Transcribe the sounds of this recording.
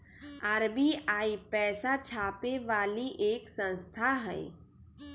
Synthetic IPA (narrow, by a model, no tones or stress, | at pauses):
aɾbiaːipɛːsat͡ʃʰaːpeʋaːliʔeːksə̃nst̪ʰaɦɛ̰ː